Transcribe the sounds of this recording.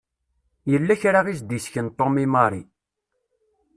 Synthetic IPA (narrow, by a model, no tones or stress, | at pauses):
jəlːæçɾaʁis̬d̪isçənt̪ˤːomimɑɾˤḭ